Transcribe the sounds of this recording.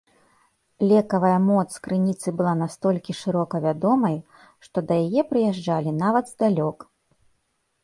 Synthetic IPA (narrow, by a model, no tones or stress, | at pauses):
lʲɛkɐvɐjɐmɔt̪skɾɨnʲit̪sɨbɨlˠanast̪ɔlʲkʲiʂɨɾɔkɐvʲad̪ɔmɐj | ʂt̪ɔd̪ɐjajɛpɾɨjaʐd͡ʐalʲinavɐd̪zd̪alʲɔk